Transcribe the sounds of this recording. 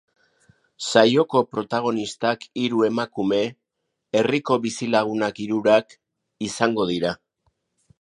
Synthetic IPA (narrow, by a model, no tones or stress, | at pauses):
sajo̞ko̞pɾo̞t̪aɣ̞o̞nist̪akiɾue̞makume̞ | eriko̞βisilaɣ̞unakiɾuɾak | isaŋɡo̞ð̞iɾa